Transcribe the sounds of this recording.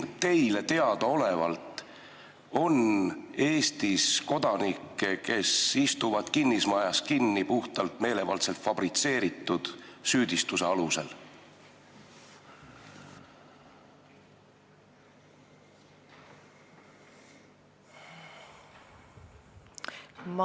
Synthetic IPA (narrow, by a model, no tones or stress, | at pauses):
t̪e̞jle̞t̪e̞ɑd̪̥ɑo̞le̞vɑ̰lt̪ˑ | o̞ne̞ːst̪isko̞d̪̥ɑnikːˑeke̞sist̪uvɑd̪̥kinːismɑjɑskinːipuht̪ɑlt̪me̞ːle̞vɑ̰lt̪se̞lt̪fɑb̥rit̪se̞ːɾit̪ːˑud̪̥syːd̪̥ist̪useɑluse̞l